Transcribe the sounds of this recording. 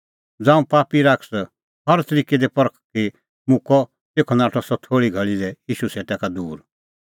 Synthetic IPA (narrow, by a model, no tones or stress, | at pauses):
d͡zãːũpaːpiɾaːkʰs | hɐɾt̪əɾiːked̪epɔɾkʰki | mʊ̃kɔ | t̪eːkʰɔnaːʈʰɔsɔt̪ʰoːɽiɡʱɐɭilɛjiːʃuseːʈakad̪uːɾ